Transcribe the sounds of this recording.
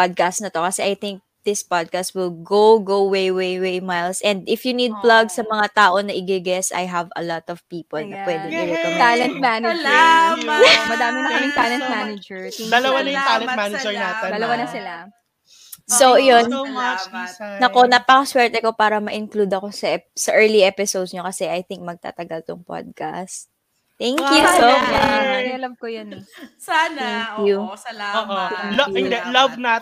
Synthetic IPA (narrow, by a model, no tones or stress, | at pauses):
pad̪̚kast̪nɐt̪o̞kɐsɛʔɐjt̪ɪŋk̚d̪̥ɪspad̪̚kast̪̚wɪlɡoɡowwejwejwejmajlsʔɛ̃nd̪ɪfjʊnid̪̚plɐɡsɐmɐŋat̪aːʔo̞nɐʔɪɡɪɡɛsɐ̰jɦɐvɐ̰lɔt̪ɔv̥piːpɔlnɐpwɛːd̪ɛŋɪjɛt̪ɐalɛnt̪manɪd͡ʒ | mɐd̪aːmɪnɐkɐmɪŋt̪alɛ̃nt̪̚manɪd͡ʒɛɹd̪ɐlɐwanɐjʊt̪alɛnmanɐd͡ʒɛɹnat̪ɛd̪ɐlɐwanɐsɪla | sojon | nɐko̞naːpɐkɐswɛɹt̪ɛkopaːɾɐmɐʔɪnklud̪ɐko̞sɐsɐʔɛɹliʔɛpɪsowd̪sɲokɐsɛʔajθɪŋk̚mɐɡ̚t̪a̰ːt̪ɐɡɐlt̪ʊŋpo̰d̪̚ka̰st̪ | t̪ɛŋkjusomaɐlɐb̚kojonsaɛŋkjuoːʔolɐɪnd̪ɛlɐbna